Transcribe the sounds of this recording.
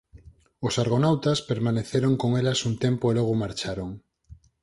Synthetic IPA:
osaɾɣ̞onawt̪aspeɾmaneθeɾoŋkoŋelasunt̪empoelɔɣ̞omaɾt͡ʃaɾoŋ

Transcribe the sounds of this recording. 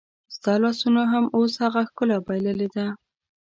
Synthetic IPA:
zd̪̥ɑlɑsunoɦamoshaɣaxkəlabajləled̪a

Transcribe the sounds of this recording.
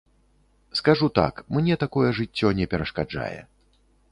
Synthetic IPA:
skaʐut̪a̰kmnʲɛt̪akɔjɛʐɨt͡sʲːɔnʲɛpʲɛɾɐʂkad͡ʐa̰jɛ̰

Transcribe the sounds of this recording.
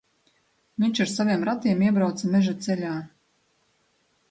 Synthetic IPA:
vʲinʲt͡ʃaɾsavʲeɛmɾat̪iɛmiɛbɾawt̪samʲeʒat̪selʲaː

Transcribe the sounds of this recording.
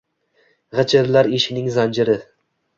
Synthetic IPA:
ʁɨt͡ʃʰɪɾlaɾeʃɪnɪŋzand͡ʒɪɾɪ

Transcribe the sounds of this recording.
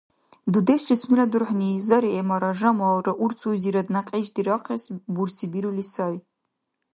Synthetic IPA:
dudeʃt͡ʃisʰnɨladɨrħʷnizaɾiemaɾaʒamawraʔurt͡sʰuziɾadnaqʼeʒdiɾaqʰasbursʰibiɾulisaʕ

